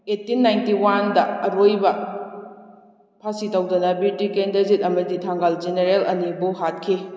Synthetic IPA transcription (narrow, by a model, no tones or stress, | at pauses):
etːinːajntiwandɐːɾojbɐ | pʰasitɐwdɐnɐbitikendɐzit̚ɐmɐditʰaŋɡald͡ʒeneɾelɐ̰nibuhat̚kʰi